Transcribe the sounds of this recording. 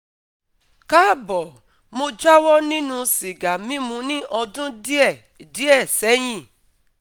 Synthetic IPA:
ka˦bɔ˨ | mo˧d͡ʒa˦wɔ˦nĩ˦nũ˧si˨ɡa˨mĩ˦mũ˧˦nĩ˦ʔɔ˧dũ˦di˦ɛ˦˨di˨˦ɛ˦˨sɛ˨˦j̃ĩ˦˨

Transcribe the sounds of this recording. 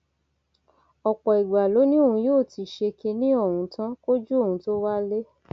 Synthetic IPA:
ɔ˨k͡pɔ˨i˨ɡ͡ba˨lo˨˦nĩ˦o˦˨ũ˧joː˦˨ti˧ʃe˧ke˧nĩ˦o˦˨ũ˧tã˦ko˦d͡ʒu˦o˦˨ũ˧˦to˦wa˦le˦

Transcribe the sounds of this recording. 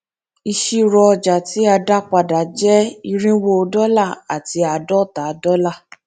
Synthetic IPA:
i˧ʃi˦˧ɾɔ˧d͡ʒa˨ti˨˦a˧da˦k͡pa˧˨da˨d͡ʒɛ˦i˧ɾĩ˦wo˦˧dɔ˦la˦˨a˨ti˧a˧dɔ˦ta˨˦dɔ˦la˦˨

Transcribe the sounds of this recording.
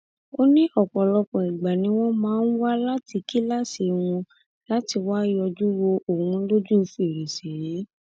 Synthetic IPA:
o˦nĩ˦ʔɔ˨k͡pɔ˨lɔ˧k͡pɔ̃˨i˨ɡ͡ba˨nĩ˨˦w̃ɔ̃˦mãː˨˦n̩˦wa˦la˦ti˧ki˦la˦˨si˧˨w̃ũ˧ | la˦ti˧wa˦jɔ˧d͡ʒu˦wo˧ʔo˨hũ˨˧˦lo˦d͡ʒũ˦˧fu˦e˨ɾe˨se˨je˨˦

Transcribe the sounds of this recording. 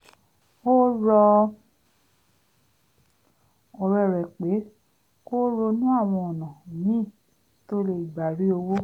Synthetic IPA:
o˦ɾɔ˧ | ɔ˨ɾɛ˨ɾɛ˨k͡pe˨˦ | ko˦ɾo˧nũ˦a˦˨w̃ɔ̃˧ɔ˨nã˨nĩ˦˨ | to˦le˧˨i˨ɡ͡ba˨ɾi˨˦o˧wo˦

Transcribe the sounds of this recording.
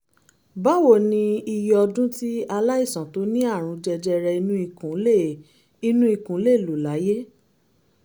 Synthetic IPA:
ba˦wo˦˨nĩ˧i˧jɔ˧dũ˦ti˦a˧la˦i˦˨sã˨to˨˦nĩ˦a˦˨ɾ̃ũ˨˧d͡ʒɛ˧d͡ʒɛ˧ɾɛ˧i˧nũ˧˦i˧kũ˨˦le˦˨ | i˧nũ˦i˧kũ˨˦le˦˨lu˨la˨˦je˦

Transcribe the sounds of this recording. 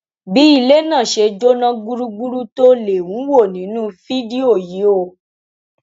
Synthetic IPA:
bi˨˦i˦˨le˦nã˦˨ʃe˧d͡ʒo˦nã˦ɡu˦ɾu˦ɡu˦ɾu˦to˦le˨wũ˨˦wo˦˨nĩ˨˦nũ˦fi˦di˦o˦˨ji˨˦o˧˨

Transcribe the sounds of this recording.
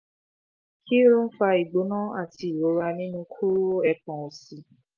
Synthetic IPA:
kʰi˦ɾũ˦fa˧i˨ɡ͡bo˨˦nã˦a˦˨tʰi˧˨o˨˧˦ɾa˧nĩ˦nũ˧kʰu˦ɾo˦ɛ˧˦kɔ̃˨o˨si˧

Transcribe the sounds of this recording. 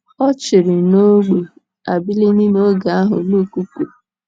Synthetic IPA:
ɔ˦t͡ʃɪ˨ɾɪ˨no˦ɡ͡be˨ | a˨bi˦li˦ni˦m˦o˦ɡa˨a˦ɦʊ̰˨lu˦ku˦ku˨

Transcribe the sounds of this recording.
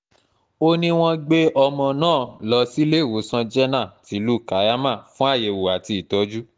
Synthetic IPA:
o˦nĩ˧w̃ɔ̃˧ɡ͡be˦ʔɔ˧mɔ̃˧nãː˦˨lɔ˧si˦le˦˨wo˨˦sã˧d͡ʒɛ˦nã˦˨ti˨˦lu˦˨ka˨˦ja˦mã˦˨fũ˦a˦˨je˨˧wo˨a˨ti˧i˨tɔ˨˦d͡ʒu˦

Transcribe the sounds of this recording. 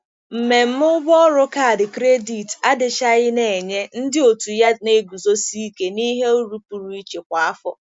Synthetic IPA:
m̩˨me˨m̩˦mʊ˦bɔ˦ɾʊ˦ka˦a˨dɪ˨kɾe˦di˨ta˦dɪ˨ʃa˦ɣɪ˦ne˨ɲe˦n̩˦dɪ˦o˨tu˨ja˦ne˦ɡu˨zo˦si˦i˦ke˨ni˦ɦe˦u˦ɾu˦pu˨ɾu˦i˦t͡ʃe˨kʷa˨a˦fɔ̰˦

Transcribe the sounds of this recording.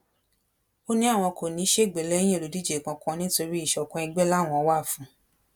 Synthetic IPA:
o˦nĩ˦a˦˨w̃ɔ̃˧kʰo˨nĩ˨˦ʃe˦˨ɡ͡be˨lɛ̃˦ĩ˦˨lo˨di˦d͡ʒe˨kã˧kɔ̃˧nĩ˦to˧ɾi˦i˦˨ʃɔ˨˧kɔ̃˧i˧ɡ͡bɛ˦la˦˨w̃ɔ̃˧wa˦˨fũ˨˦

